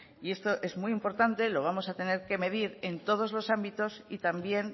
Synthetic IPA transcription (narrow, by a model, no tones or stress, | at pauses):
ie̞st̪o̞ʔe̞zmujimpo̞ɾt̪ant̪e̞lo̞β̞amo̞sat̪e̞ne̞ɾke̞me̞ð̞iɾe̞nt̪o̞ð̞o̞zlo̞sambit̪osit̪ambje̞n